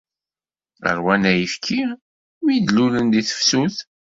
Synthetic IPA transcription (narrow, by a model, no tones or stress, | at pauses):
ə̰ɾwænæjəfkʰi | wjid̪lulənd̪iθə̥fsuθ